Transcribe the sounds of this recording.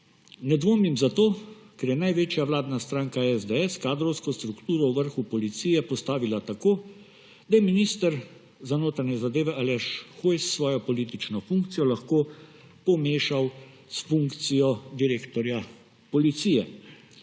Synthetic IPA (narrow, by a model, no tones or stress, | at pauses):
nɛd̪ʋoːmimzat̪oːkɛɾjɛnajʋeːt͡ʃjawlaːd̪nast̪ɾaːŋkaɛzd̪ɛɛskaːd̪ɾɔwskɔst̪ɾukt̪uːɾɔwʋəɾxupɔlit̪sijɛpɔst̪aːʋilat̪akoː | d̪ajɛminist̪əɾ | zanoːt̪ɾaɲɛzad̪eːʋɛʔalɛʃxojsːʋɔːjɔpɔliːt̪it͡ʃnɔfuŋkt̪sijɔlaxkoːpɔmeːʃaw | sfuŋkt̪sijɔd̪iɾeːkt̪ɔɾja | pɔlit̪sijɛ